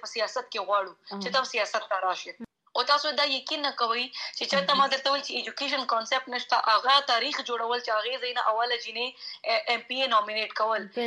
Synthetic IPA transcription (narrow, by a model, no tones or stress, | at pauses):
pəsijɑsat̪̚keɣwɑɽut͡ʃet̪absijɑsat̪ːaɾɑʃe | ot̪ɑsod̪ɑjakinːakawəjt͡ʃet͡ʃaɾt̪amɑd̪əɾt̪awejlt͡ʃeːd͡ʒukeʃ̬ənkɑnsep̚ʈnəʃt̪aʔaɣat̪ɑɾixd͡ʒoɽawəlt͡ʃeaɣezajnaʔawalad͡ʒineʔempienɑmineʈkawəl